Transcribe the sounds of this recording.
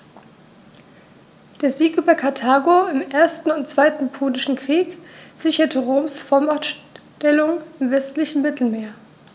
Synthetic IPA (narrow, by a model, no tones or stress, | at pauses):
d̥eːɐziːkʔyːbɐkʰaɐtʰaːɡoɪmʔeːɐstn̩ʊnt̚t͡sv̥aɪtn̩pʰoːnɪʃn̩kʁ̥iːkz̥ɪçɐtʰəʁoːmsfɔɐmatʃ | tɛlʊŋɪmvɛstlɪçn̩mɪtʰl̩meːɐ